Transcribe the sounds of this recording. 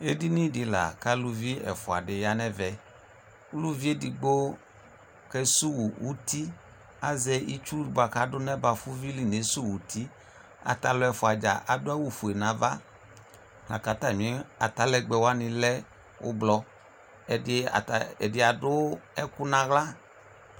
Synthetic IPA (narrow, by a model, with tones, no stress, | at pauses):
e˦di˦nĩ˦dɪ˨la̰˨ka˦lu˦vi˦ɛ̰˨fʊ˨a̰˨dɪ˨ja˨˦nɛ˦vɛ˨ | ʊ˦lu˦vi˦e˦di˨ɡ͡bo˦ | kɛ˦su˦wu˨wu˦ti˦ | a̰˨zɛ˦i˦t͡ʃu˦˨bo˨˦a˨ka˨˦dʊ˦nɛ˦ba˨fʊ˦vi˦li˦ne˨˦su˦˨wu˨ti˦ | a̰˨ta˨lʊ˨˦ɛ˨fʊ˨a˨d͡ʒa̰˨ʔa˨dʊ˦a˦wu˨fu˨e˨nã˨˦va˦ | la̰˨ka˨ta˨ɲɪ̃˨˦a˨ta˨˦lɛ˨ɡ͡bɛ˨wa˦nɪ̃˧lɛ˦ | wʊ̰˦blɔ˧˨ | ɪ̰˨ɛ˨dɪ˨a˨dʊ˦ɛ˦kʊ˦nã˨˦ɣla˦